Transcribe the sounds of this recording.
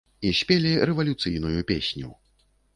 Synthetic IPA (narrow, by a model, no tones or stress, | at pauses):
isʲpʲelʲiɾɛvɐlʲut̪sɨjnujupʲḛsʲnʲu